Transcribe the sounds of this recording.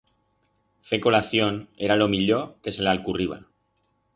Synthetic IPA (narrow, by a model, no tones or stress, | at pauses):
fe̞ko̞laθjo̞ne̞ɾalo̞miʎoke̞se̞lalkuriβ̞a̰